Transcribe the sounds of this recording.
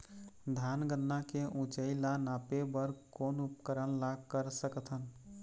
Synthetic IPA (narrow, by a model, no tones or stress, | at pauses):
d̪ʱanɡənːakeʔũt͡ʃəɪlanapebəɾkoːnupkəɾənlaɡkəɾsəkət̪ʰɦən